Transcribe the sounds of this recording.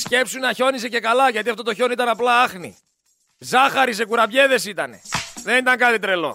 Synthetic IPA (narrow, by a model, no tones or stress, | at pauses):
sce̞psunnɐço̞nise̞ce̞kɐlɐʝɐt̪iɐft̪o̞t̪o̞ço̞nit̪ɐnɐplɐɐxnḭ | zɐxɐɾis̬e̞kuɾɐpʝe̞ðe̞sit̪ɐne̞̰ðe̞nit̪ɐŋkɐt̪it̪ɾe̞lo̞̰